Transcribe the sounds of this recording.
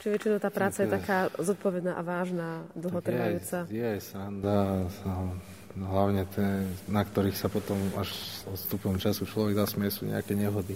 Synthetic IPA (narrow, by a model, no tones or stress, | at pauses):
t͡ʃiʋɛt͡ʃinɔʊt̪aːpɾaːt͡sajɛt̪akaːzɔt̪̚pɔʋɛd̪naːʔaʋaːʒnaːd̪l̩ˠɦɔt̪r̩ʋajuːt͡sajɛajsand̪a | ɦlaʊɲɛt̪ʰɛnakt̪ɔɾiːxsapɔt̪ɔmaʒɔt̪st̪upɔɔmt͡ʃasut͡ʃlɔʋɛɡd̪aːsmɛsṵɲɛ̰a̰kɛɲɛɦɔd̪i